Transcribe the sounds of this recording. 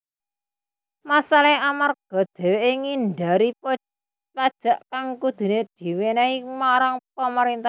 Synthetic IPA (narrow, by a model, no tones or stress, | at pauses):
masaleamarɡ̥ɔ̤d̪̥ɛ̤weʔeŋinɖa̤ɾipɔ | pad̥ʒ̥ä̤ʔkaŋkud̪̥ṳned̪̥i̤wenaimaɾaŋpəməɾint̪a